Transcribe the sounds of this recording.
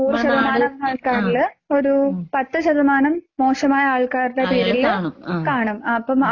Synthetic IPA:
uːrɕɐðɐmaːnɐmaːɭkaːɾilo̞ɾupɐt̪ːɨɕɐðɐmaːnɐmːo̞ːʂɐmaːjɐaːɭkaːɾlɐpiːɾilkaːɳumːɐpːɐm

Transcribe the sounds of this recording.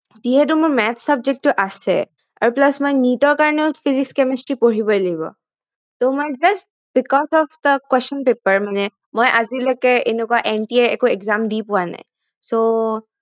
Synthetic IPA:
ziɦɛt̬umʊɹmɛtʰsab̚zɛk̚tuʔasɛ̰ | a̰ɹuplasmojnitɔɹkaɹɔnɛʊpʰizikskɛmɛstɹipoɹibɔlaɡibɔ̰ | tomojd͡ʒast̚ | b̥ikɔzɔfd̪əkwɛst͡ʃɔnpepəɹmanɛ | mojʔazilɔjkɛʔenɛkuaʔɛnʈiɛɛkuɛkzamdipʊwana̰j | so

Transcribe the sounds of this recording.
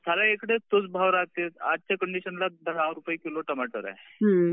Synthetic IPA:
sʰaɾaekɽet̪ot͡sbʱaʋɾat̪et̪a̰d̪̚t͡ɕakəɳɖiɕənlad̪ʱəɽaɾupəjkiloʈəmaʈə̰ɾa̰

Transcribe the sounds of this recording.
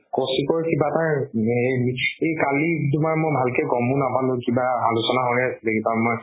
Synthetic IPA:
kɔsikɔɹkibataɹemiejkalidumaɹmojbʱalkɛɡɔmʊ̃napanʊkibaalusɔnaɦojasɛlekibamɔj

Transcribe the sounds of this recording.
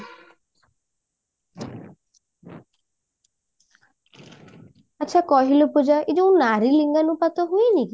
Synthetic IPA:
atːʃʰakɔɦilopud͡ʒaʔid͡ʒoũnaɾiliŋɡanupat̪ɔɦujniki

